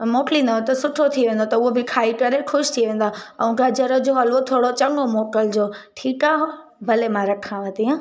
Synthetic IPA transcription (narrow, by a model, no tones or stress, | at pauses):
moːʈlinɐɦot̪ɐsʊʈʰot̪ʰiʋẽːn̆d̪ot̪ɐʊɦobʱɪkʰaːikɐɾekʰʊʃt̪ʰiʋẽːnd̪aɐũɡɐd͡ʒəɾəd͡ʑoɦɐlʋot̪ʰoːɽot͡ɕɐŋɡomoːkəld͡ʑoːʈʰiːkaɦo | bʱɐlemãɾɐkʰãʋə̃t̪iã